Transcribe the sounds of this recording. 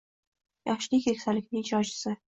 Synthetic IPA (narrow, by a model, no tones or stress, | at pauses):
jʔɑχʃlikʲʰekʲsalɪkʲnɪŋɪd͡ʒɒd͡ʒɪ̥sɪ